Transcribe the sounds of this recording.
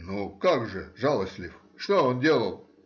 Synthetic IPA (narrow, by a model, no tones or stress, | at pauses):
nukaɡʐɨʐalˠəsʲt̪ʲlʲɪf | ʂt̪oondʲelˠəlˠ